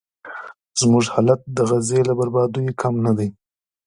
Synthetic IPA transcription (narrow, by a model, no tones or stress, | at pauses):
z̥muʐhɑlat̪̚d̪əɣazelabaɾbɑd̪ujekʰamnad̪aj